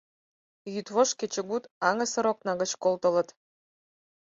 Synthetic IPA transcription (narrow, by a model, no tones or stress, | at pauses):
jyt̪βoʃket͡ɕə̆ɣut̪ɑŋə̆sə̆ɾoknɑɣət͡ɕkolt̪ə̆lə̆t̪